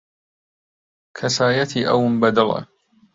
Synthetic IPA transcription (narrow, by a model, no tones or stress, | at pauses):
kʰasaːjat̪iːʔawmbad̪ɑlˤa̰